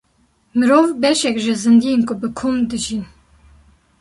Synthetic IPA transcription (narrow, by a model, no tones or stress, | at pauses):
mɨɾoːvbɛʃɛkʒɪzɨnd̪ijenkʰʊbɨkʰumd̪ɨʒin